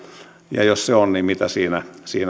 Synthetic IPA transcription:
jɑ̰josseonnimit̪æsiːnæsiːn

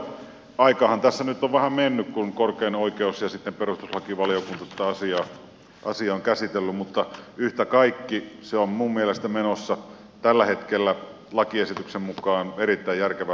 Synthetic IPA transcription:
ɑˑikɑːhɑnt̪æsːænyt̪ːoʋʋæhæmmenːykkunkorkeːnoˑikeusjɑsit̪ːemperust̪uslɑkiʋɑlijokunt̪ɑt̪ːæɑsiɑ | ʔɑ̰siɑoŋkæsit̪elːymmut̪ːɑyht̪ækɑikːiseommummielest̪æmenosːɑ | t̪ælːæhet̪kelːæ | lɑkiesit̪yksemmukˑɑːnerit̪ːæijjærkeʋæ

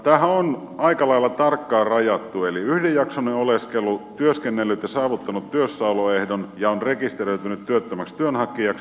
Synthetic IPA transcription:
t̪æːhæon | ɑikɑlɑilːɑt̪ɑrkːɑːrɑjɑt̪ːueliyhdejɑksonːeoleskelːˑut̪yøskenːelːyt̪jɑsɑːʋut̪ːɑnut̪tyøsːɑuloehdonjɑonrekist̪eroyt̪ynyt̪t̪yøt̪ːømækst̪yønhɑkːijɑks

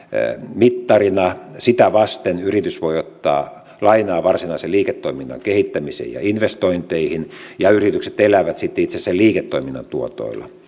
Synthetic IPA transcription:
mit̪ːɑrinɑsit̪æʋɑst̪enyrit̪ysʋoiot̪ːɑ̰ː | lɑinɑːʋɑrsinɑiseliːket̪ːoiminːɑ̰ŋkehit̪ːæmisḛjɑ̰inʋest̪oint̪eihinjɑyrit̪ykset̪elæʋæt̪sit̪ːeit̪sesːelliːket̪ːoiminːɑ̰nt̪uot̪o̰ilːɑ̰

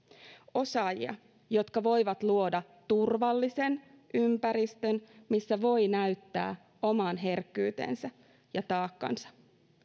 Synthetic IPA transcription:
o̞sɑːjḭɑ̰ | jo̞t̪kɑʋo̞jʋɑt̪luo̞dɑ | t̪urʋɑlːise̞n | ʔympæɾist̪ø̞nmisːæʋo̞jnæyt̪ːæ̰ː | o̞mɑːnɦe̞rkːyːt̪ḛːnsæ | jɑt̪ɑːkːɑ̰nsɑ̥

